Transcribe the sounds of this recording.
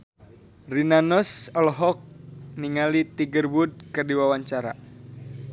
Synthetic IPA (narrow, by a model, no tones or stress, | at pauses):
rinanɔsɔlɔɦɔk̚niŋalit̪iɡərbud̚kɨrdiwawaɲt͡ʃaɾa̰